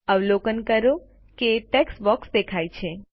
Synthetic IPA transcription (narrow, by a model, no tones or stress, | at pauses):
əʋlokənkəɾo | keʈɛksbɔksd̪ekʰajt͡ʃʰe